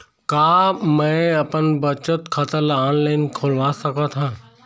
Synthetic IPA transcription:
kaːmɛ̃ɐpənbət͡ʃət̪kʰɐt̪əɾlaːnlaːɪnkʰoːlʋasɐkat̪ʰãː

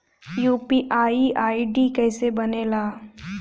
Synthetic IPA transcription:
juːpiʔaːiʔaːiɖikɛːsebɐnelaː

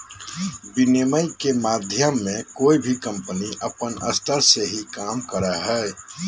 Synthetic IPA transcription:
bɪneməɪkemaːd̪ʱjəmːẽkoːibʱikə̃mpəniʔəpənə̰st̪ʰəɾseɦikaːmkəɾaɦɛː

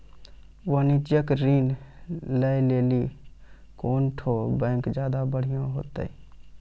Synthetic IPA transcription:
ʋənid͡ʒ̪jəkɾinləjleli | koːnʈʰobə̃ŋkd͡ʒjaːd̪abəɽ̤ijõɦo̰ːt̪ə̰i

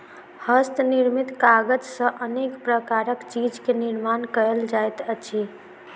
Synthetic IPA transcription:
həst̪niɾmit̪kaɡəd͡ʒsə̃ʔənekpɾəkaɾəkt͡ʃid͡ʒkeniɾmankəəld͡ʒajt̪ət͡ʃʰi

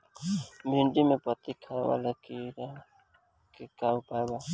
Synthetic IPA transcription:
bʱɪ̃ɳɖimẽpət̪ikʰawa̰lakiɾ | kekaupaba

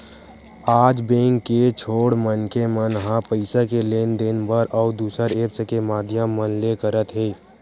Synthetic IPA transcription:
aːd͡ʒbẽːŋkːet͡ʃʰoːɽmənkemənɦãpəɪsakeleːnd̪eːnbəɾʔɔːd̪uːsəɾeːpsekemaːd̪ʱjəmːənlekəɾət̪ɦeː

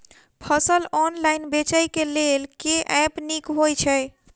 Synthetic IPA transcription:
pʰəsəlɔnlajnbet͡ʃəjkelelkeʔɛpnikɦojt͡ʃʰəj

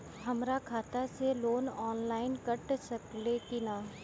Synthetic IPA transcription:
ɦɐmɾakʰaːt̪aseloːnɔːnlaːɪnkɐʈsɐklekɪnaː

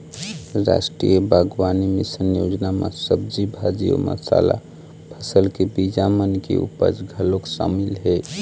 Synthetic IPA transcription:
ɾa̰ːsʈɾijəbʱaɡwaːnimisənjoːd͡ʒnamã̰səb̚d͡ʒibʱad͡ʒijo̰mə̰sa̰la̰ | pʰəsəlkebid͡ʒamənkḛṵpə̰d͡ʒɡʱəloksa̰ːmɪlɦɛ

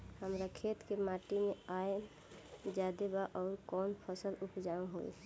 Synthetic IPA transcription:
həmɾakʰet̪kemaʈimeae | d͡ʒad̪ebaʔɔːɾkɔːnpʰəsəlupd͡ʒãɦo̰j̰

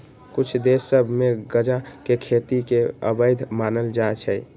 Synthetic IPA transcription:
kʊt͡ʃʰd̪esːəbʱmeɡəd͡ʒakekʰet̪ikeə̰bəd̪ʱmanəld͡ʒat͡ʃʰɛ

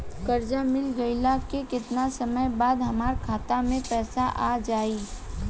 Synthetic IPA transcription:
kɐɾd͡ʒamɪlɡɐɪlakekɪt̪nasɐməjbaːd̪ɦɐmaːɾkʰaːt̪amẽpɛːsaʔaːd͡ʒaːiː

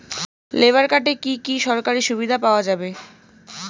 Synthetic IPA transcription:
lebaɾkaʈekikiʃɔɾkaɾiʃubid̪ʱapaoad͡ʑabe

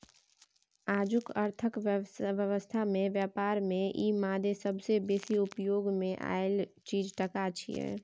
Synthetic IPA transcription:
aːd͡ʒʊkəɾt̪ʰəkʋəʋjəʋəst̪ʰamẽʋjaːpaːɾmẽʔiːmaːd̪esəbsebeːsiʊpjoːɡmẽʔa̰eɪlt͡ʃiːd͡ʒʈəkat͡ʃʰḭɛ̰

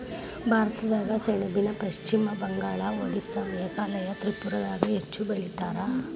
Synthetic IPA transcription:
bʱaːɾɐt̪ɐd̪aːɡɐseːɳɐbinɐpɐʃt͡ʃimɐbɐŋɡaːɭɐoɽisɐmɐɐkɐlɐjɐt̪ɾipːuɾɐd̪aːɡɐet͡ʃːubɐɭit̪aːɾɐ

